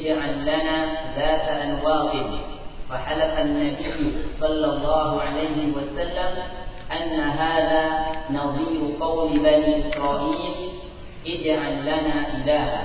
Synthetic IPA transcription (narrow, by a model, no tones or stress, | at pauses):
d͡ʒʕalːanaːðaːt̪aʔanwɑːq̪ɨn | faħalafanːabɪjːsˤɑlːɑlˤːɑːɦʊʕalajhɪwasalːamʔanːaɦaːðaːnɑðˤiːbʊqɑwmɪbaniːʔɪsɾˤɑːʔiːl | ʔɪd͡ʒʕalːanaːʔɪlaːha